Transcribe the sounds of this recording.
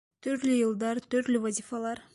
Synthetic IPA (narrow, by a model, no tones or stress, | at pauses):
t̪ʰyɾt̪lyjɨlˠd̪ɑɾt̪ʰyɾt̪lyvazʲifalˠɑɾ